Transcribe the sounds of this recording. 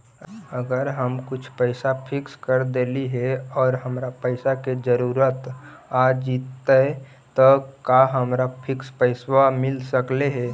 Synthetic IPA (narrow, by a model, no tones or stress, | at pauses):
əɡəɾɦəmkʊt͡ʃʰpəɪsapʰɪkskəɾd̪eliɦɛɔːɾɦəmɾapəɪsaked͡ʒəɾuːɾət̪ | ad͡ʒit̪ːə | t̪ɔkaɦəmɾapʰɪkspəɪswamɪlsəkleɦɛː